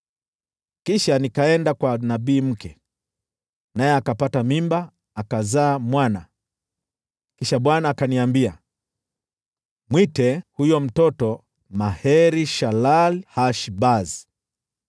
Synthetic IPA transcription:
kiʃanikaɛndakwanaɓiːm̩kɛ | najɛakapatamimba | akazaːmwana | kiʃaɓwanaːkaniambia | mwitɛhujɔm̩tɔtɔ | mahɛɾiʃalalhaʃbazi

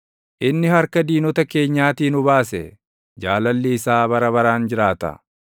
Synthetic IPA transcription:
ʔɪnːɪhɐɾkɐd̪iːnɔt̪ɐke̞ːɲːaːt̪iːnʊbaːsɛ̰ | d͡ʒaːlɐlːɪːsaːbɐɾɐβɐɾaːnd͡ʒɪɾaːt̪ɐ̰

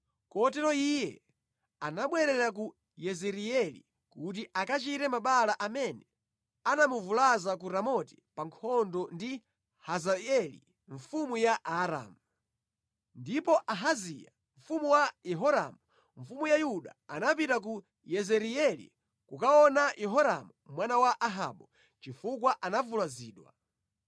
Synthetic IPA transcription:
kɔtɛɾɔijɛ | anaɓwɛɾɛɾaku | jɛzɛɾiɛlḭ | kut̬iʔakat͡ʃitɛmaɓalaʔamɛnɛ | anamuvulazakuɾamɔti̥paŋkʰɔndɔndi | hazaɛlḭ | ɱ̩fumujaʔaɾa̰mu | ndipɔʔaɦazija̰ | ɱ̩fumuwajɛɦɔɾa̰mu | ɱ̩fumujajuɗa̰anapitak̬u | jɛzɛɾiɛlḭ | kukaɔnajʔɛɦɔɾa̰mumwanawaʔaɦa̰ɓɔ | t͡ʃifukwaʔanavulaziːɗwa̰

